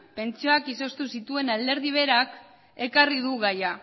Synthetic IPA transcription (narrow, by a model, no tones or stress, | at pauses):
pe̞nt͡ʃoakiso̞st̪usit̪ue̞nald̪e̞ɾð̞iβ̞e̞ɾak | e̞kariðuɣaja